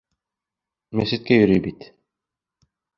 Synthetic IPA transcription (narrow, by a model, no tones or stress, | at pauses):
mæsɘ̆t̪̚kʲæjɵ̆ɾyjbit̪